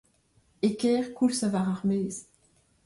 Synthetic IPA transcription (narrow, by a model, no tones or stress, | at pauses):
ekɛːʁkulsavaʁaʁmɛːz